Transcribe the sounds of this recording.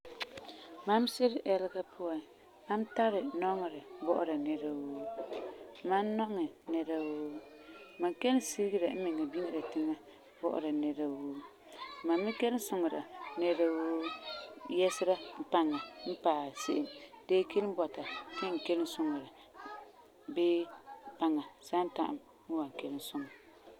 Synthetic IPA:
ma˦msɪ˦ɾɪ˦ʔɛ˦lɪ˦ɡa˦pʰʊ˦a˨ | ma˦m˦ta˦ɾɪ˨nɔ˦ŋ˨ɾɪ˨bɔ˦ʔʊ̰˦ɾa˨nɛ˦ɾa˦woː˦ | ma˦nnɔ˦ŋɛ˨nɛ˦ɾa˦woː˦ | ma˨ŋke˦lɪ˦si˦ɾɡi˦ɾa˨m̩˦mɪ˨ŋa˨bi˦ŋi˦ɾa˨tɪ˦ŋa˦ | bɔ̰˦ʔʊ̰˨ɾa˨nɛ˦ɾa˦woː˦˨ | ma˨mː˦ɪ˦kɛ˦lɪ˦n˦sʊ˨ŋa˨ɾa̰˨nɛ˦ɾa˦woː˦ | jɛ˦sɪ˦ɾa˦m̩˦pa˦ŋa˨m̩˦paː˨sḛ˦ʔɪ˨mdeː˦ke˦lɨ˦m˦bɔ˨ta˨nɪ˦ŋ̩˨kɛ˦ln˦sʊ˦ŋa˨ɾa˨ | beː˦pa˦ŋa˨sa˦n˦ta˨ʔa̰˨m | m˦wa˨ŋ˨kɛ˦lɪ˦n˦sʊ˦ŋa˨

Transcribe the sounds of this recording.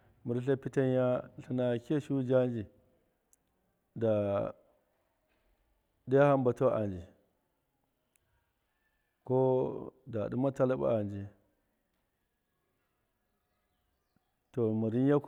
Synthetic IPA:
mu˨ɾɬ̬a˦pi˦ta˦n˦ja˦ɬi˦na˨ke˦ʃu˦d͡ʒa˦nd͡ʒi˨ | da˨ | da˦a˦ha˦mba˨to˦ʔa̰˨nd͡ʒi˨ | ko˦da˨du˦ma˦ta˦la˦ba̰˦a˨nd͡ʒi˨ | to˨mu˨ɾi˦nja˦

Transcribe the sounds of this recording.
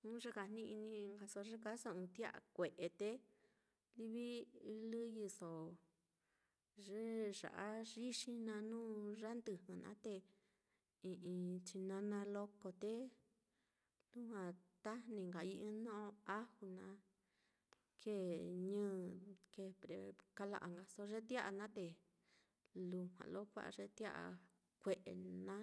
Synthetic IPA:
ũ˦ʐe˧ka˧n̥nĩ˦ʔi˧nĩ˧ŋɡa˧so˧ʐe˦ka˦so˧ɨ̃˧t̪i˦a̰˦˧a̰˨kʷe˨ʔe˨t̪e˧ | li˧βi˦i˧lɨ˦ji˧so˨ | ʐe˦ʐa̰˨ʔa˦ʐi˦ʂĩ˧nã˧nũː˦ʐa˦nd̪ɨ˧˨hɨ̃˨nã̰˨˦t̪e˧ | ĩ˨˧ʔĩ˧t͡ʃi˧nã˧˦nã˧lo˧ko˧t̪e˦ | lu˦hwã˨t̪a˦nĩ˧ŋɡa˨i˧ʔĩ˦nõ˦˧a˦hu˧nã˧˦ | kʰe˦˨ɲɨ̃ː˦ke˧˨pɾe˧ka˧la̰˧ʔa̰˨ŋɡa˧so˧ʐe˦t̪ja˦ʔa˧˨nã˦t̪e˨ | lu˧hwʷã̰˨lo˦kʷa̰˦ʔʐe˧t̪ja˦ʔa̰˧ | kʷe˧˨ʔḛ˨nã˦

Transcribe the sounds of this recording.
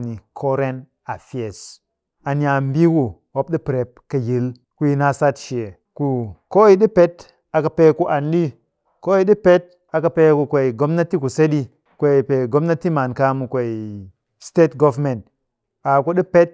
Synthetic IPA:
ni˨kʰo˦ɾe˦n | a˨fi˦e˨s | a˨n˨a˨m˦bi˦wu˨wo˦p̚ɗi˦pɾe˨p̚ka˨ji˨l | ku˨ji˨na˦sa˦tʃi˨e˨ | ku˨ko˦i˦ɗi˦pe˦t | a˨ka˨pe˨ku˦ʔa˨ndi˦ | ko˦ji˦ɗi˦pe˦t̚ | a˨ka˨pe˨˦ku˨kʷe˨i˨ɡo˦mna˦ti˦ku˨se˦ɗi˦ | kʷe˨i˨pe˨ɡo˦mna˦ti˦ma˨nka˦mu˨kʷe˨i˨ | ste˦tɡo˦vme˨nt̚ | a˨ku˦ɗi˦pe˦t̚

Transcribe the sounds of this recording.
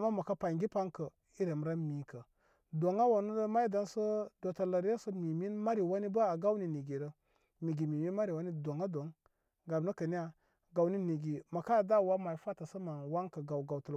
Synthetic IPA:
ma˦ma˨ka˦pa˨ŋɡi˦pa˦ŋkə˨ | i˦ɾe˨m˦ɾa˦mi˨kə˨ | do˨ŋa˦wa˨nu˦də˦ma˦i˦da˦nsə˦do˨tla˨ɾja˦sə˦mi˨mi˦nma˦ɾi˨wa˦ni˦bə˦a˨ɡa˦wni˨ni˨ɡi˨ɾə˨ | mi˨ɡi˨mi˨mi˦nma˦ɾi˨wa˦ni˦do˨ŋa˦do˨˦ŋ | ɡa˨bnə˦kə˨ni˦a˨ | ɡa˨wni˦ni˨ɡi˨ma˨ka˦˨da˦˨wa˦ma˨i˨fa˦tə˨sə˦ma˨wa˦ŋkə˨ɡa˨wɡa˨wtə˨l

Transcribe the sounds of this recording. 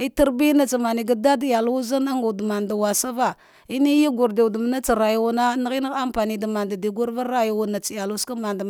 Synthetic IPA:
i˦ti˦ɾbi˦na˦t͡sa˨ma˨ni˨ɡa˦da˦dja˨lu˦za˦na˦ŋɡu˨da˨ma˨nda˨wa˨sa˦va˦ | i˦ni˦ji˦ɡu˨ɾde˨wdə˨m˦na˦t͡sa˨ɾa˨ju˦wu˦na˦na˦ɣi˦na˦ɣa˦mpa˨ni˨da˨ma˨nda˨di˨ɡu˦ɾva˦ɾːa˦ju˨wu˨na˨t͡si˨ja˨lu˦ska˦ma˨nda˨

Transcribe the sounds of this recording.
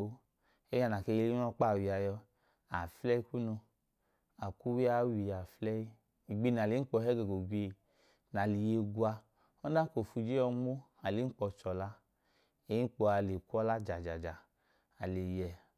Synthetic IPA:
o˧ | e˦ja˧˨na˨ke˧je˧˦i˦ɔ˧˦k͡pa˦˨wi˨a˧jɔ˧ | a˨flɛ˦ku˦nu˧ | a˨ku˦wi˦a˨˦wi˧˨ja˨flɛ˦ji˦ | i˨ɡ͡bi˧˦n˨a˨li˨˦k͡pɔ˧˨hɛ˦ɡɛ˨ɡo˨ɡʷe˧˨ | na˨li˨je˧ɡu˧a˧ | ɔ˦na˦ko˨fu˧d͡ʒe˦ɔ˧mo˦ | a˨li˨˦n̩˦k͡pɔ˧t͡ʃɔ˨la˧ | e˨˦k͡po˧a˧˨le˨ku˦ɔ˦la˦d͡ʒa˨d͡ʒa˨d͡ʒa˨ | a˨le˨jɛ˧

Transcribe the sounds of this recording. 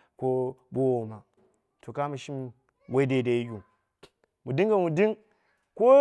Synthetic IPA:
ko˦bo˦wo˨ma˨ | to˨ka˦mu˨ʃi˦m | we˦de˨da˨ji˦ɡʲu˨ | mu˨di˦ŋɡa˨mu˨di˦ŋ | ko˦

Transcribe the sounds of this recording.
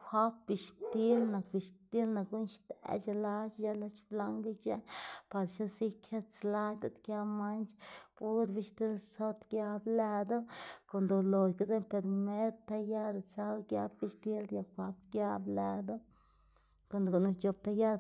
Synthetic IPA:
xʷa˦pbi˧ʃt̪i˦lna˨kbi˧ʃt̪i˦lna˨kɡu˦nʃt̪ḛ˧˨t͡ʃa˧la˧t͡ʃja˦la˧˦t͡ʃbla˧ŋɡa˦t͡ʃa˦pa˧ɾʃo˦si˦kʰe˦t͡sla˦d̪a˧˦t̪kja˧ma˦nt͡ʃpu˦ɾbi˧ʃt̪i˦lso˧t̪ɡja˧blæ˧d̪o˦ko˧nd̪o˧lo˨jka˧˦de˦pe˧ɾme˦ɾt̪a˦ja˦ɾt͡sa˦ɡja˦bbi˧ʃt̪i˦lja˧xʷa˧pɡja˦blæ˧d̪o˦ | ko˧˨nd̪ɡo˧nu˧t͡ʃo˧p̚t̪a˦˧ja˦d

